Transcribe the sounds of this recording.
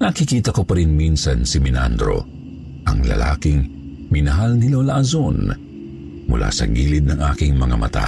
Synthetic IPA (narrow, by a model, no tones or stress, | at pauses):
nɐkɪkiːt̪ɐko̞pɐɾinminsɐnsɪmɪna̰nd̪ɾo̞̰ | ʔɐŋlɐ̰la̰ːkɪŋ | mɪnɐɦalnɪloːlɐʔɐzon | mʊ̰lʔa̰sɐɡiːlɪd̪̚nɐŋʔaːkɪŋmɐŋamɐ̰t̪a̰